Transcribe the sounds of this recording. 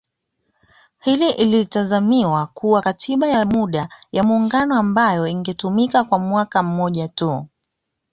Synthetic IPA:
hiliʔilitazamiwakuwakatʰiɓajamuɗajamuːŋɡanɔambajɔiŋɡɛtumikakwamwakam̩mɔʄatu

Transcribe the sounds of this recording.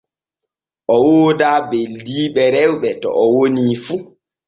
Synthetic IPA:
ʔɔwoːdaːbeldiːɓɛɾɛwɓɛtɔ̰ʔɔwoniːfu

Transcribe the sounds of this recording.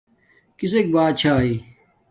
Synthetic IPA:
kisek̚baːt̪̚t͡ɕʰaːiː

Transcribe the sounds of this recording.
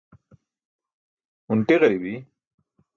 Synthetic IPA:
ʊɳʈiɣɐɾibi

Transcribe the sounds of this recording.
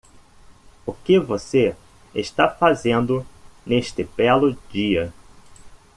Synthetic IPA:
ʊkɪvose | eʃt̪afazẽnd̪ʊneʃt̪ɪbɛlʊd͡ʒiɐ

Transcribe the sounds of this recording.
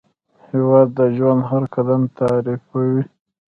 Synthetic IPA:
hɪwɑd̪ːəʒwand̪ɦaɾkad̪amt̪aɾifawi

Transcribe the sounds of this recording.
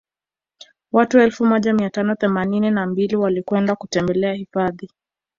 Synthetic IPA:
watuɛlfumɔʄamiatanɔθɛmanininambiliwalikwɛndakutɛmbɛlɛahifaði

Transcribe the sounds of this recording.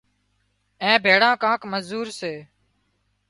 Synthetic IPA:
ɛ̃ːbʱeːɽãːkãːkməzuːɾseː

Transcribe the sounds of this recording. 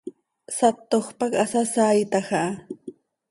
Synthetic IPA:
sat̪ːoχpɑkasasaːjt̪ɑχɑ

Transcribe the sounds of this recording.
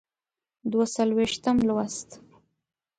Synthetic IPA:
d̪wasalweʃt̪əmlwast̪

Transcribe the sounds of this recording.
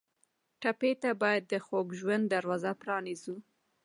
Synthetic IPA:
ʈapet̪abɑjad̪ːəxoɡʒwand̪d̪ːaɾwɑzapɾɑnizu

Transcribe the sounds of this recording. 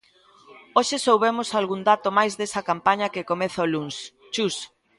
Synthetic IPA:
oʃɪsowβemosalɣund̪at̪omajzðesɐkampaɲɐkɪkomeθoluns | t͡ʃus

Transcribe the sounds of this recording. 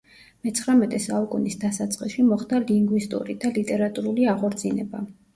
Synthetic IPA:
mɛt̪sʰχɾamɛt̪ʼɛsaukʼunisd̪asat̪sʼqʼiʃimɔχd̪aliŋɡwist̪ʼṵɾid̪̥alit̪ʼɛɾat̪ʼuɾuliaʁɔɾd̪zinɛba̰

